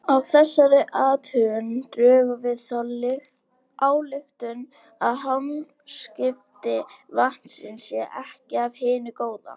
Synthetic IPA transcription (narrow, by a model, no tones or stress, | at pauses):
awθɛsːaɾɪʔaːt̪ʰʏːʏnt̪ɾœːvavɪðθal | aːwlɪxt̪ʏn | aðɦan | scɪft̪ɪvahn̥sɪnsjɛʔɛhcɪavhɪːnʏkoːwða̰